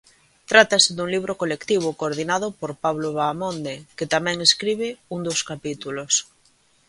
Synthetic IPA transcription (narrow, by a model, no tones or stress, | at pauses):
t̪ɾat̪asɪðuŋliβɾokolekt̪iβ̞okoɾð̞inaðopoɾpaβloβaːmõnd̪eket̪amɛ̃ŋeskɾiβ̞ɪuŋd̪oskapit̪ulos